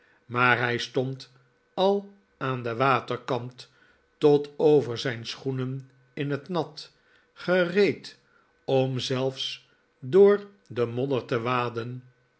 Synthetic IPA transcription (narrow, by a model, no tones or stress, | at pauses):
maːɹɦɛjstɔnt | ɑlˠ | aːndəʋaːtəɹkɑntː | ɔtowvəɹzɛjnsχunən | ɪnɦətnɑt | χərejt | ɔmzɛlˠfs | dʊːɹ | dəmɔdəɹtəʋaːdən